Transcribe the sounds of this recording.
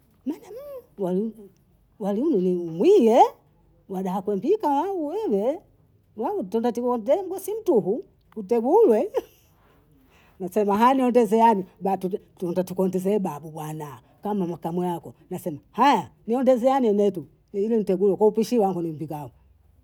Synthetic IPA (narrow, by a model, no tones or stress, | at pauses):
mɛnɛmwali | waliunɛniumwijɛ | waɗaakwɛmbikawauwɛwɛ | wautɔndatikɔndzɛm̩ɡɔsin̩tuɦu | kutɛɡulwɛ | nasɛmaɦajaniɔndɛzɛanibatutɔndatukɔndɛzɛːɓaɓuɓwana | kamamakamwɛjakɔnasɛmahajaniɔndɛzɛaniɛnɛtu | ilɛn̩tɛɡulwɛkwaupiʃiwaŋɡɔnimbikau